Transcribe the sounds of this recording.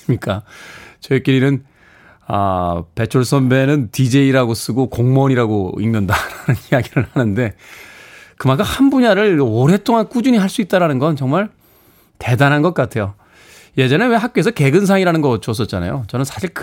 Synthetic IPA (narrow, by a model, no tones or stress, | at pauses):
mɲik͈at͡ɕʌek͈iɾinɯn | ʌ̰pet͡ɕʰoɭs͈ʰʌmbe̞nɯntid͡ʑe̞iɾaɡos͈ɯɡokoŋmʌɲiɾaɡo̰inːɯndaɾanɯnijaɡiɾɯɭhanɯnde̞ | kɯmak͈ʰamhanbuɲaɾɯɭoɾe̞tʰoŋank͈ud͡ʑuɲiɦaɭs͈uit̚t͈aɾanɯnɡʌnt͡ɕʌŋmaɭ | te̞danɦanɡʌt̚k͈atʰe̞jo | je̞d͡ʑʌnewe̞ɦak̚k͈oe̞s̬ʰʌke̞ɡɯns̬ʰaŋiɾanɯnɡʌʌt͡ɕʰoʌs͈ʌt̚t͡ɕ͈ana̰jot͡ɕʌnɯnsʰaɕʰiɭk